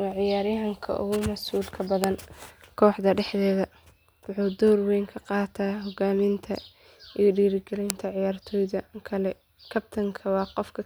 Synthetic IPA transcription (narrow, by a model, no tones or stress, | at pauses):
wɑːʕɪjaːɾɪjɦɐŋkʰɐ̰ʔʊ̰ɣʊmɐsuːlkʰɐbɐðɐnkʰɔːħd̪ɐɖɛħðɛːðɐ | wʊħuːd̪ɔːrwɛjŋkʰɐqɑːt̪ʰaːɦɔɡaːmɪnt̪ʰɐ | iɔɖiːɾɪɡɛlɛjnt̪ʰɐʕɪjaːrt̪ʰɔːjðɐkʰɐlɛ | kʰɐb̚t̪ʰɐŋkʰɐwɑːqɔfkʰɐ